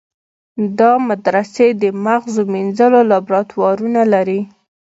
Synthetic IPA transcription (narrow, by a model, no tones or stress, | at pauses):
d̪ɑmad̪ɾased̪əmaɣzominzəlolɑbɾɑt̪wɑɾunalaɾi